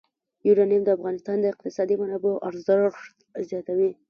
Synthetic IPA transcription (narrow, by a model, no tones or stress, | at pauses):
juɾɑnijamd̪əafɣɑnɪst̪ɑnd̪əɪq̚t̪ɪsɑd̪imanaboʔaɾzət̪zjɑt̪awi